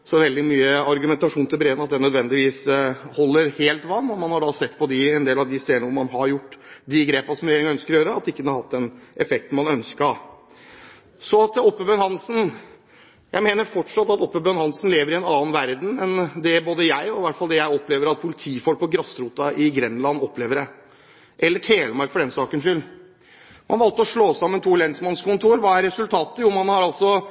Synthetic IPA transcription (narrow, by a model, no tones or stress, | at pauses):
sɔʋɛld̪ɪmyːəɑɾɡʉmɛnt̪ɑʂuːnt̪ʰɪlbɾeːənɑt̪̚d̪ɛnœd̪ʋɛnd̪ɪʋiːshɔlːəɾheːlt̪ʋɑnːɔmɑnhɑɖɑsɛt̪ːpʰɔd̪ɪɛnd̪eːlɑʋd̪ɪst̪eːd̪ənəʊmɑnɦɑɾjʊʈːd̪ɪɡɾeːpɑsɔmɾɪjeːɾɪŋɛœnskəɾɔjøːɾəɑt̪ːɪkːəd̪hɑɾhɑt̪̚ːd̪ɛnʔɛfɛkt̪n̩mɑnœnskə | sɔɑt̪ɔpːəbœːnhɑnsn̩ | jæɪmeːnəɾfɔʈʂɑt̪ːɑt̪ɔpːəbøːnhɑnsn̩leːʋəɾɪɛnɑːn̩ʋæɾd̪n̩ɛnd̪ɛboːd̪əjæɪɔɪʋæʈfɑld̪ɛjæɪɔpːleːʋəɾɑt̪̚pʰʊlɪt̪ʰiːfɔlk̚pɔɡɾɑsɾuːt̪ɑɪɡɾɛnːlɑnːɔpːleːʋəɾɛ | ʔɛlːəʈʰeːləmɑɾkfɔɖɛnsɑːkənʂʏl | mɑnʋɑlt̪əɔʂɭoːsɑmːənt̪ʰuːlɛnsmɑnskʊnt̪ʰuːɾʋɑːæɾɛsʉlt̪ʰɑːt̪əjʊmɑnhɑɾɑlt̪sɔ